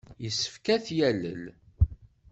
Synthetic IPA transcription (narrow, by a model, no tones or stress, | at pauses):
jəsːə̥fkæθjælə̰l